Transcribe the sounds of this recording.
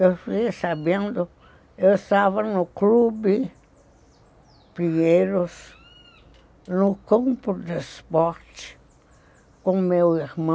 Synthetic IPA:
ewfijsabẽnd̪ʊ | ewɪst̪avɐnʊklubɪ | pɾĩmejɾʊs | nʊkõmpʊd̪ɪspɔɾt͡ʃɪ̥ | kõmewiɾmɐ̃

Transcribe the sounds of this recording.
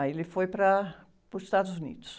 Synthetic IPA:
elɪfojpɾɐ | pɾʊzɪst̪ad̪ʊzunḭd̪ʊ̥s

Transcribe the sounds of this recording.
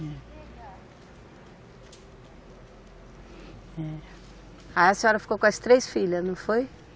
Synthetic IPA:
ɛ | ɛ | aɛsɪɔɾɐfi̥kokõɛst̪ɾejsfiʎɐnɐ̃w̃foj

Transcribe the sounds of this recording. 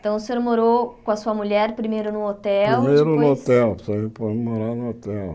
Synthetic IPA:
t̪ɐ̃w̃ʊseoɾmoɾokõɐsuɐmuʎɛɾpɾimejɾʊnʊot̪ɛɾwmejɾʊnʊot̪ɛlpsɔbẽpɔd͡ʒmoɾanʊot̪ɛl

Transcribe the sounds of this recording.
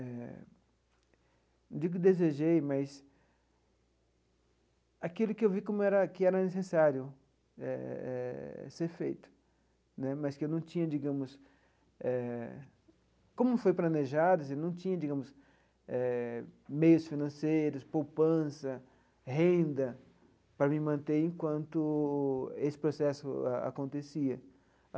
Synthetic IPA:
ɛ | d͡ʒiɡʊkɪd̪ezeʒejmɐs | akilʊkɪewvikõmʊɛɾɐkɪɛɾɐnesesaɾjʊ | ɛ̰ɛ̰seɾfḛjt̪ʊ̥ | nɛmɐskɪewnɐ̃w̃t͡ʃĩɲɐd͡ʒiɡɐ̃mʊs | ɛ | kõmʊfojplɐ̃neʒad̪ʊsenɐ̃w̃t͡ʃĩɲɐd͡ʒiɡɐ̃mʊs | ɛ | mejʊsfinɐ̃sejɾʊspowpɐ̃sɐ | hẽnd̪ɐ | pɾɐmɪmɐ̃nt̪eɾẽkwɐ̃nt̪ʊ | esɪ̥pɾosɛsʊ̰a̰a̰kõnt̪esiɐ

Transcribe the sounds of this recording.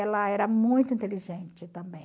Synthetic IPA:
ɛlɐɛɾɐmũj̃t̪ʊĩnt̪eliʒẽnt͡ʃɪt̪ɐ̃mbẽ

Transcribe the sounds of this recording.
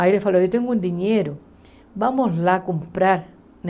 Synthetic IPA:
ailefalojot̪eŋɡũnd̪iɲeɾo | βamoslakompɾaɾ | n

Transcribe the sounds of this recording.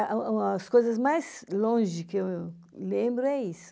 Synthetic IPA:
ũɐskojzɐzmajzlõʒɪkɪew | lẽbɾʊɛisʊ̥

